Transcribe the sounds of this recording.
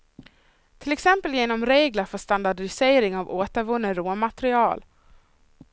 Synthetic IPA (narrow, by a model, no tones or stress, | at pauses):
t̪ʰɪlɛksɛmpəljeːnɔmɾeːɡlaɾfœʂt̪and̪aɖɪseːɾɪŋavoːt̪əɾvɵnːəɾoːmat̪ɾɪɑːl